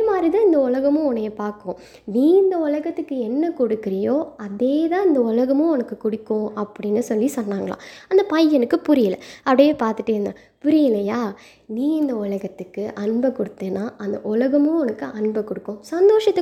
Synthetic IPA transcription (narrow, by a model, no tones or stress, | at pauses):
ɐmaːd̪ɾiðãːɪnd̪ɐʊlɐɣɐmʊ̃ɔnɐjɐpaːɾkʊ̃ː | niːɪnd̪ɐʊlɐɣɐt̪ːɯkːɯɛnːɐkɔɽɯkːɪɾɪjoːɐðeːðãːɪnd̪ɐʊlɐɣɐmʊ̃ɔnɐkːɯkʊɽɪkːʊ̃ɐpːɐɽɪnːɯsɔlːisɔnːaːŋɡɐɭã̰ːɐnd̪ɐpɐjːɛnɯkːɯpʊɾɪjɪlɐ̰ɐpːɽɐjeːpaːɾt̪ɯʈːɯɾɯnd̪ãː | pʊɾɪjɪlɐjaː | niːɪnd̪ɐʊlɐɣɐt̪ːɯkːɯʔɐɳbɐkʊɽɯt̪ːeːnːaːʔɐnd̪ɐʔʊlɐɣɐmʊ̃ɔnɐkːɯʔɐnbɐkɔɽɯkːʊ̃sɐnd̪oːʂɐt̪ːɯ